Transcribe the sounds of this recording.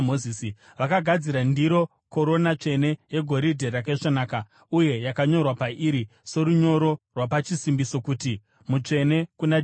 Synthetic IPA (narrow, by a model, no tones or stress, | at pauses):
moiːsi | ʋakaɡʱad͡ziɾandiɾo̞ | ko̞ɾo̞nat͡ʂe̞ne̞je̞ɡʱo̞ɾidʱerakaiʂanaːka | uje̞jakaɲo̞rwapaʔiɾise̞ɾuɲo̞ɾo̞rwapat͡ʃisimbiso̞kuːti | mut͡ʂe̞ne̞kuna